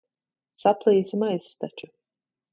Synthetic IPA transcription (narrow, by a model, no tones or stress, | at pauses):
saplˠiːzimajst̪at͡ʃʊ